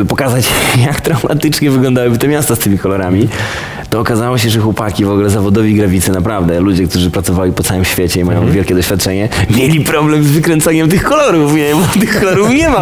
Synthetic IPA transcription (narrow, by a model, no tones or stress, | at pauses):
pɔkazat͡ɕjakt̪ɾawma̰t̪ɘt͡ʂɲɛvɘɡlɔ̃nd̪awɘbɘt̪ɛmʲjast̪ast̪ɘmʲikɔlɔɾamʲi | t̪ɔːkazawɔɕ̬ɛʐɛxwɔpakʲivɔɡulɛzavɔd̪ɔvʲiɡɾavʲit̪sɨnapɾavd̪ɛlud͡ʑɛkt̪uʐɘpɾat̪sɔvalʲipɔt̪sawɘmɕfʲjet͡ɕɛimajɔ̃w̃vʲjɛlkʲɛd̪ɔɕfʲat̪̚t͡ʂɛɲɛmʲjelʲipɾɔblɛmzvɘkɾɛnt̪saɲɛmt̪ɨxkɔlɔɾufɲɛmat̪ɨxkɔlɔɾufɲɛma